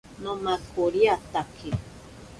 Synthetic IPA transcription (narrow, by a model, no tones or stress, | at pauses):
nõmakʰoɾiat̪akʰe